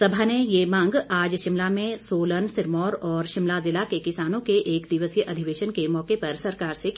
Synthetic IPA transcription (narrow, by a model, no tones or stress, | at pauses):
sɐbʱanejemãːŋɡaːd͡ʒʃɪmlamẽsoːlənsɪɾmɔːɾɔːɾʃɪmlazɪlakekɪsaːnõkeʔeːkd̪ɪʋəsjəʔɐd̪ʱɪʋeːʃənkemɔːkepɐɾsɐɾkaːɾse